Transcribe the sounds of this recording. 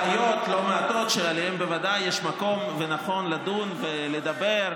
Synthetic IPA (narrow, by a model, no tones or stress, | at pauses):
ajo̞t̪lo̞meat̪o̞t̪ʃelaliembevad̪ajːeʃmako̞mvenaχo̞nlad̪unveled̪abeʁ